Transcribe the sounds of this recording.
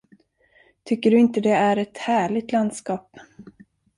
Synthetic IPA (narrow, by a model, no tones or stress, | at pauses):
t̪ʰʏkːəɖɵɪnt̪əd̪ɛæɾɛt̪hæːɭɪɡ̚t̪land̪skɑːp